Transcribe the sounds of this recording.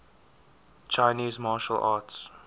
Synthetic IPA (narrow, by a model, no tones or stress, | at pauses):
t͡ʃʰaɪniːzmɑːʃə̰lʔɑ̰ːts